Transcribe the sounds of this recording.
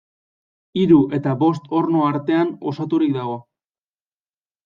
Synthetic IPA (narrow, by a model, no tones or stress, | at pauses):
iɾuʔe̞t̪aβo̞st̪o̞ɾno̞aɾt̪e̞ano̞sat̪uɾikd̪aɣ̞o̞